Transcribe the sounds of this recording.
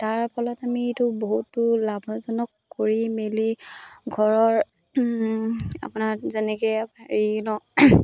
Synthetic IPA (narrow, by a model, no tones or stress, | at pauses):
taɹpɔlɔtamietuboɦutːʊlabʱɔzɔnɔkːoɹimeliɡʱɔɹɔɹ | a̰pʊnaɹzɛnɛkɛapaɹinɔ